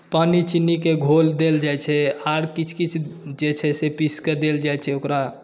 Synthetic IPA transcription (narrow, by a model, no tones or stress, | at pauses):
panit͡ʃinikeɡʱold̪eld͡ʒajt͡ʃʰɛaɾkit͡ʃʰkit͡ʃʰd͡ʒɛt͡ʃʰɛsepisked̪eld͡ʒajt͡ʃʰɛokɾa